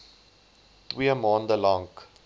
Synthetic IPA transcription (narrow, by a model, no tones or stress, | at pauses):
twiəmɑːndəlɔŋk